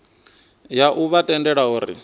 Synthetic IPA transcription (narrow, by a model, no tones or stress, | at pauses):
jaʔuβatʼɛndɛɺauːɾḭ